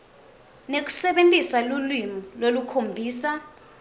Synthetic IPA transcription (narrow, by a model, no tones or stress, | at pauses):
nek̬ʼu̥sɛɓentʼisalulwimɔlwolukʰombʱiːsa